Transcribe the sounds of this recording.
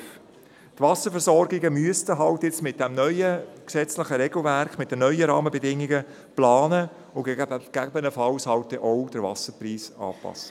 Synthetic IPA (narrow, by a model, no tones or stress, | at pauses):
t̪vɑsəɾfəɾsɔɾɡɪɡəmyəstəɦɑltjɪt͡smɪt̚d̥ɛmnœʏəksɛt͡slɪχəɾɛɡl̩væɾkχmɪt̚d̥ənœʏəɾɑːməbɛdɪŋːiɡə | plɑːnə | ʊɡ̥æbənəfɑwshɑlt̚tɛʔɔwd̥əɾvɑ̰səɾpriːsɑ̰ːpɑ̰sːə̥